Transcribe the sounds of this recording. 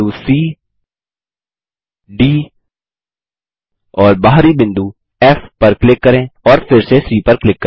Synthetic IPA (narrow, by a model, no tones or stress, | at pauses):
usiː | ɖiː | ɔːɾbaːɦɾibɪ̃nd̪u | ɛːfpɐɾklɪkːɐɾẽɔːɾfʰɪɾsesiːpɐɾklɪkːə